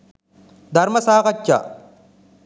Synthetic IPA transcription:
d̪ɐɾmɐsaːqɐt͡ʃːa̰

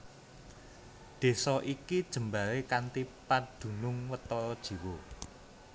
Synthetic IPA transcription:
d̪̥e̤sɔʔikid̥ʒ̥ə̤mbalekant̪ipad̪̥ṳnʊŋwət̪ɔɾɔd̥ʒ̥i̤wo

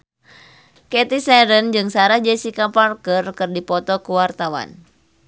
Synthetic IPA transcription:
kɛt̪isɛɾənd͡ʒɨŋsaɾahd͡ʒɛsikaparkərkɨrdipɔt̪ɔkuwart̪awa̰n

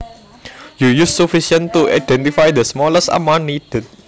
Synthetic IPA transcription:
jujusːufisə̃nt̪uʔa̰jdɛ̃nt̪ifajd̪əsmɔləsa̰mãnːidet̚

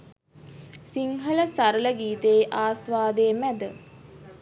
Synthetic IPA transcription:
siŋɦələsaɾələɡiːt̪ejʔaːsʋaːd̪eːmæd̪ə

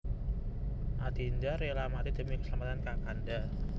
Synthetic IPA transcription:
ʔad̪̥ind̪aɾelamat̪id̪̥ə̤mikə̥səlamat̪ankakanda

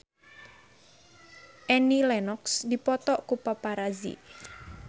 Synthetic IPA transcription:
ʔɛnilɛnɔksd̪ipɔt̪ɔʔkupapaɾazḭ

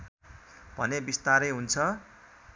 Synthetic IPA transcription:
b̥ʱʌ̰nebist̪aɾʌjɦunt͡sʰʌ

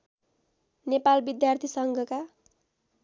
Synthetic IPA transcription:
nepalbid̪jart̪ʰisʌŋɡʱʌka

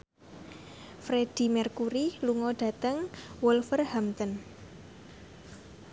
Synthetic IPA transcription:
fɾed̥i̤mɛrkuɾiluŋɔɖ̥ä̤t̪əŋwɔlfərhamt̪ən

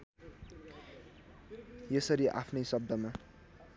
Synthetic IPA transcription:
jesʌɾiʔa̰pʰnʌjsʌb̚d̪ʌma

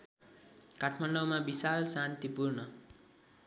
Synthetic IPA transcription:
kaʈʰmaɳɖʌwmabisalsant̪ipurnʌ

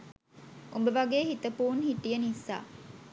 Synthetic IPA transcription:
ʔumbəʋaɡeːɦit̪əpuːnhiʈːijɐnisːa̰ː

